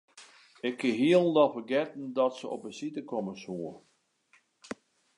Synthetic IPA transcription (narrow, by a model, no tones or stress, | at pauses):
ɪkʰːɪɦiəlˠdɔfərɡɛtn̩dɔtsəɔ̰pəsitəkʰoməsuə